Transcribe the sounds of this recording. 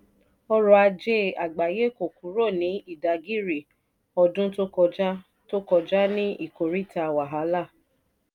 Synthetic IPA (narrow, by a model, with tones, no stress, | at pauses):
ɔ˧ɾɔ˧a˧d͡ʒe˦a˨ɡ͡ba˨je˨˦ko˨kũ˨˦ɾo˦˨nĩ˨˦i˦˨da˨ɡi˦˨ɾi˨ | ɔ˧dũ˦to˦kɔ˧d͡ʒa˦ | to˦kɔ˧d͡ʒa˦nĩ˦i˦˨ko˨ɾi˦˨ta˧wa˨ɦa˨˦la˦˨